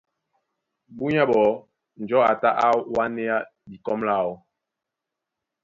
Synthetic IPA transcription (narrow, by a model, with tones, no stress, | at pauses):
bu˦ɲa˦bɔ˨˦ | n̩˨d͡ʒɔ˦a˨ta˦ʔa˦wa˦ne˦ja˦ | bi˨kɔ˦mla˦˨ɔ˦